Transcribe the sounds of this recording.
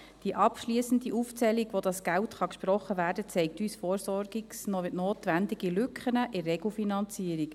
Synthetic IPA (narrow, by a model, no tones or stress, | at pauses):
d̥iʔɑpʃliəsən̩diʔuːft͡sɛlikʋodɑsɡ̥æltχɑkʃpɾɔχːəvæːɾdət͡sɛɪk̚tyːsfoːɾsɔɾɡiksnoʋɪtnoːtʋændiɡilʏkχənəʔɪrːɛɡl̩finɑnt͡siəɾik